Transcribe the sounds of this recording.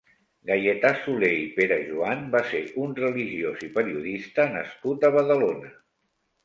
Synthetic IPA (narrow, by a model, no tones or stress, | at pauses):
ɡajet̪asuleipeɾəʒuambaseɾunrəliʒiozipəɾiuðist̪ənə̰skut̪əβ̞əðəlonə